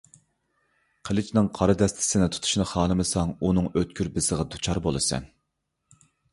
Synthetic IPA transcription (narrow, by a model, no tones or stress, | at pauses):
qʰəlˠɪt͡ʃʰnɨŋqʰɑɾɨd̪ɛst̪ʰɪ̥sɪnɪt̪ʰu̥t̪ʰu̥ʃnɨχɑːlˠɨmɨsɑŋunɨŋøt̪̚kʲyɾbɪsəʁɑd̪ut͡ʃʰɑɾbolˠɨsɛ̰n